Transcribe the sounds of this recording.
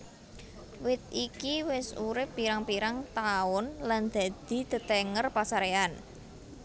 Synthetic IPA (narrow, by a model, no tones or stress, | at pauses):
wɪt̪̚ikiwɪsuɾɪpːiɾaŋpiɾaŋt̪aʊnland̪̥a̤d̪̥i̤d̪̥ə̤t̪ɛŋərpasaɾean